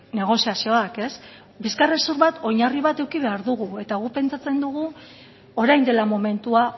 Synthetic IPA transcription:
ne̞ɣ̞o̞siasio̞ake̞s | biskaresuɾβat̪o̞ɲariβ̞at̪e̞wkiβ̞e̞aɾðuɣue̞t̪aɣ̞upe̞nt͡sat͡se̞nd̪uɣ̞u | o̞ɾajnd̪e̞lamo̞me̞nt̪ua

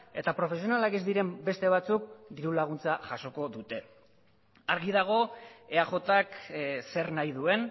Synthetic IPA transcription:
e̞t̪apɾo̞fe̞s̬io̞nalakezd̪iɾe̞mbe̞st̪e̞β̞at͡suk̚d̪iɾulaɣ̞unt͡saʝaso̞ko̞ðut̪e̞ | aɾɣiðaɣ̞o̞e̞axo̞t̪akse̞ɾnajðue̞n

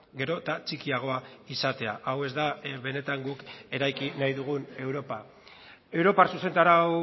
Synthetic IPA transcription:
ɡe̞ɾo̞t̪at͡ʃikiaɣ̞o̞aisat̪e̞aʔawe̞zd̪aβe̞ne̞t̪aŋɡuke̞ɾajkinajðuɣ̞une̞wɾo̞pa | e̞wɾo̞parsuse̞nt̪aɾaw

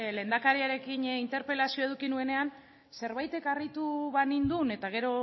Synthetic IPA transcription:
le̞ːnd̪akaɾiaɾe̞kinint̪e̞ɾpe̞lasio̞e̞ð̞ukinue̞ne̞an | se̞ɾβajt̪e̞karit̪uβanind̪une̞t̪aɣ̞e̞ɾo̞

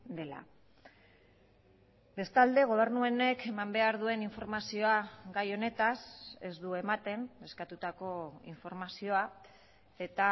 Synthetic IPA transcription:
d̪e̞la̰ | be̞st̪ald̪e̞ɣ̞o̞β̞e̞ɾnuene̞ke̞mambe̞aɾðue̞niɱfo̞ɾmasio̞aɡajo̞ne̞t̪ase̞zd̪ue̞mat̪e̞ne̞skat̪ut̪ako̞ḭɱfo̞ɾmasio̞a | e̞t̪a

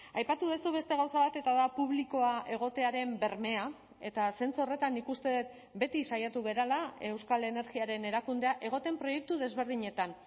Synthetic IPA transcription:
ajpat̪uð̞esuβe̞st̪e̞ɣawsaβ̞at̪e̞t̪aðapuβliko̞aʔe̞ɣ̞o̞t̪e̞aɾe̞mbe̞ɾme̞a | e̞t̪ase̞nt͡suo̞re̞t̪anːikust̪e̞ðet̪ | be̞t̪isajat̪uɣe̞ɾalae̞wskale̞ne̞ɾɣiaɾe̞ne̞ɾakund̪e̞aʔe̞ɣ̞o̞t̪e̞mpɾo̞je̞k̚t̪uðe̞zβe̞ɾð̞iɲe̞t̪an

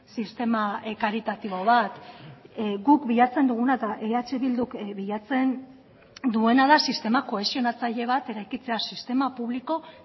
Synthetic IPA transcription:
sist̪e̞makaɾit̪at̪iβ̞o̞βat̪ | ɡukbiʎat͡se̞nd̪uɣ̞unat̪aʔeat͡ʃe̞βild̪ukβiʎat͡se̞n | d̪ue̞naðasist̪e̞mako̞e̞sio̞nat͡saʎe̞β̞at̪e̞ɾajkit͡se̞asist̪e̞mapuβ̞liko̞

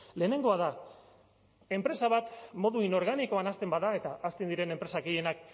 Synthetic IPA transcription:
le̞ːne̞ŋɡo̞að̞a | e̞mpɾe̞saβat̪mo̞ðuino̞ɾɣ̞aniko̞anast̪e̞mbaðae̞t̪aʔːst̪end̪iɾe̞nempɾe̞sakeje̞nak

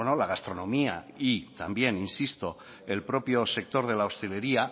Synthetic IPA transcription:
nolaɣ̞ast̪ɾo̞nõ̞mia̰it̪ambje̞ninsist̪o̞ | elpɾo̞pjo̞se̞k̚t̪o̞ɾð̞e̞laost̪e̞le̞ɾia

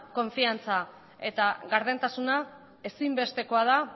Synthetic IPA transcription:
ko̞ɱfiant͡sa | e̞̰t̪aɣaɾðe̞nt̪asuna | e̞simbe̞st̪e̞ko̞að̞a

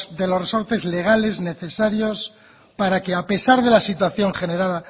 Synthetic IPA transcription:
d̪e̞lo̞sreso̞ɾt̪e̞zle̞ɣ̞ale̞zne̞θe̞saɾjo̞s | paɾakeape̞saɾðe̞lasit̪waθjo̞ŋχe̞ne̞ɾaða

